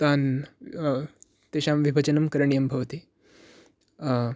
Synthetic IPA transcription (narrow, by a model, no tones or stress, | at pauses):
t̪an | t̪eɕamʋibʱɐt͡ɕənɐmkɐɾɳijɐmbʱɐʋt̪i